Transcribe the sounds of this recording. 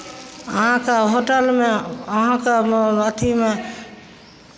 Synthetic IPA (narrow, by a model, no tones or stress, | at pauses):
əɦãkeɦoʈəlmeəɦãkeət̪ʰime